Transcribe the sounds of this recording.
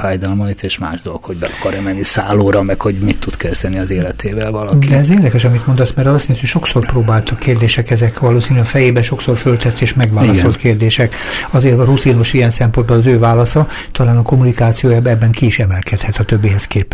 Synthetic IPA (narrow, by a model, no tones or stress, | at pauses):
faːjd̪ɒlmɒit̪eːʃma̰ːʒd̪olokhoɟbɛ̰ɒkɒɾɛmɛnːisaːloːɾɒmɛkho̞ɟmit̪ːud̪kɛzd̪ɛniɒzeːlɛt̪ʰeːvɛlvɒlɒkdiɛɛzeːrd̪ɛkɛʃɒmit̪mo̞nd̪ɒsmɛɾɒlosint̪hocʃo̞ksorproːbaːlt̪ukʰːeːrd̪eːʃɛkɛzɛkʋɒloːsinylɛɒfɛjeːbɛʃo̞ksorfølt̪ɛt̪ːeːʃmɛɡʋaːllɒso̞lt̪keːrd̪eːʃɛk | ɒzeːrɒrut̪inoʃiɛnsɛmpod̪bolɒzøːvaːlɒsɒ | t̪ɒlaːnɒko̞munikaːt̪sijoːjaːbɛbːɛŋkiiʃɛmɛlkɛt̪hɛt̪ɒt̪øbːiːɦɛskeːpɛ